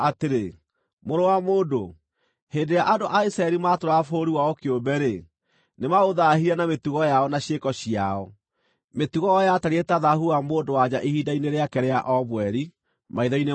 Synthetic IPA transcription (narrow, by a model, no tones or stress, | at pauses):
ateɾe | moɾowamoːdo | heːndeɾjaʔadoʔaisɾaɛɾimaːtoɾafoɾiwaɔkeombɛɾe | nemaoðaɦiɾanametuɣɔjaɔnaɕekɔɕijaɔ | metuɣɔɔjataɾietaðahuamoːndowad͡ʑaʔehidaineɾeakɛɾeaʔɔβwɛɾi | maiðɔine